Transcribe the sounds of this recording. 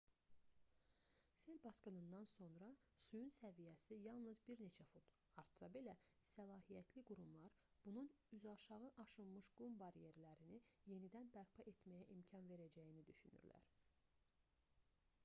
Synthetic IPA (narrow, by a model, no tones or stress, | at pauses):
selbɑskɯnɯnd̪ɑnso̞nɾɑ | sujunsævijæsijɑlˠnɯzbiɾne̞t͡ʃʰæfut̪ | hɑɾt̪sɑbelæsælˠɑːɦijæt̪ʰliɡuɾumlˠɑɾb̥unun | yzɑʃɑʁɯʔɑʃɯlˠmɯʃɡ̥umbɑɾje̞ɾlæɾinije̞nid̪ænbæɾpʰɑʔe̞t̪mæjæʔimcʰɑnve̞ɾæd͡ʒæjinid̪yʃyny̰ɾlæ̰ɾ